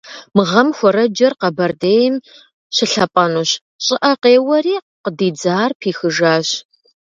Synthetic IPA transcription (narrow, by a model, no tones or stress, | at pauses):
mɨʁɐmxʷɔɾɐd͡ʒɐrqɐbɐrdeːjm | ɕɪɬɐpʼɐnuːɕ | ɕʼɪʔɐqeːwɐriː | qədiːd͡zaːrpʰiːxɨʒaːɕ